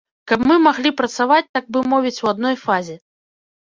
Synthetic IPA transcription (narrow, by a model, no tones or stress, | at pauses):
kɐpmɨmaɣlʲipɾɐt̪savat͡sʲt̪aɡ̚bɨmɔvʲit͡sʲwad̪̚nɔjfazʲɛ